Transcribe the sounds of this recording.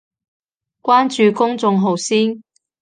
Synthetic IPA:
kʷaː˥nt͡ʃyː˨kʊ˥ŋt͡sʊ˨˧ŋɦo˨wsiː˥n

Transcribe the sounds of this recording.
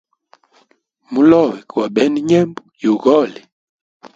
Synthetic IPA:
mu˦lɔ˦˨wɛ˨kwa˨ɓɛ˦ni˦ɲɛ˦mbu˦jo˨ɣɔ˦˨li˨

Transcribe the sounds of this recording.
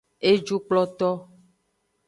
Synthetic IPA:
e˦d͡ʒu˦k͡plɔ˦t̪ɔ˦

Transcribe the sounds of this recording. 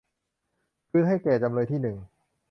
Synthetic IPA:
kʰɯː˧ɦa˥˩jkɛː˨˩t͡ɕa˧mlɤː˧jt̪ʰiː˥˩nɯ˨˩ŋ

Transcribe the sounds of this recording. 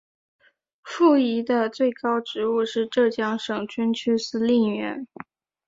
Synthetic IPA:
fu˥˩i˧˥d̪ə˧t͡swe˥˩ɪkɑ˥ʊʈ͡ʂɻ̩˧˥u˥˧ʂɻ̩˥˧ʈ͡ʂɤ˥˧t͡ɕjɑ˥ŋʂɤ˨˩ŋt͡ɕʰy˥nt͡ɕʰy˥sɹ̩˥li˥˩nɥɛ̰˧˥n

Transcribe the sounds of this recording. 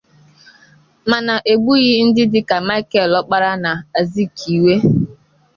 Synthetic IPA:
ma˨na˨ʔe˨ɡ͡bu˦ɣɪ˦n̩˦dɪ˦dɪ˦ka˨ma˦i˦kɛ˦˨lɔ˦k͡pa˦ɾa˦na˨a˨zi˦kʰi˨we˦

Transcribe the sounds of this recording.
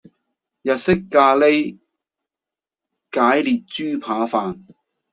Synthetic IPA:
jɐ˨t̚sɪ˥kːaː˧le˥j | kaː˨˥jliː˨t̚t͡ʃyː˥pʰaː˨˥faː˨n

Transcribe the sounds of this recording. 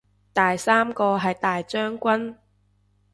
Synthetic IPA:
t̪aː˨jsaː˥mkɔː˧ɦɐ˨jt̪aː˨jt͡ʃœː˥ŋkʷɐ˥n

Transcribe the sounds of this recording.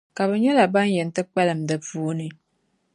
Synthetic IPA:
ka˨bə˨ɲo˦la˨ba˦n˦je˨n˨tɨ˦k͡pɛ˦lɨ˨m̩˨dɨ˨vuː˦ni˦

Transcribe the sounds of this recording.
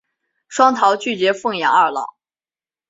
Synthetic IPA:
ʂwɑ˥ŋt̪ʰɑ˧˥ʊt͡ɕy˥˩t͡ɕɥɛ˧˥fɤ˥˩ŋjɑ̰˨˥ŋɐ˞˥˩lɑ̰˨˩˦ʊ

